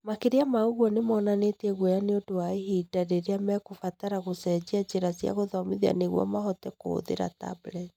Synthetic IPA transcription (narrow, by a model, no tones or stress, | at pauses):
makeɾeamaoɣwɔnemɔːnanetɛɣwɔjaneodowaeɦidaɾeɾeamɛkofataɾaɣosɛd͡ʑiad͡ʑeɾasia̰ɣoðɔmiðia̰neɣwɔ̰maɦɔtɛko̰ðḛɾa̰ta̰blɛt